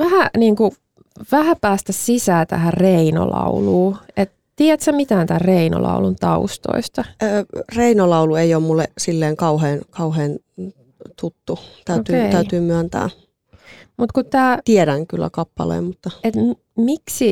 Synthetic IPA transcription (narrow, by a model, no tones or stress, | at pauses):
ʋæhæniːŋku | ʋæhæpæːst̪æssisæːt̪æ̰hæreino̰lɑ̰uluːet̪ | t̪iɛt̪sæmit̪æːnt̪æːreino̰lʔɑ̰ulunt̪ɑust̪o̰ist̪ɑːreinolɑulueijoːmmulːesilːeːŋkɑuheːnkɑuheːn | t̪ut̪ːut̪æyot̪yːeæyt̪yːmyænt̪æ̰ː | mut̪kutt̪ːæːt̪ieɾæŋkylːæ̰kɑpːɑ̰lḛːmmut̪ːɑet̪ | miksi